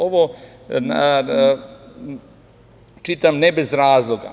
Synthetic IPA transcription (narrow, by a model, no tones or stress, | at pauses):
oʋo | n | t͡ʃit̪amnebezɾaːzlˠoɡa̰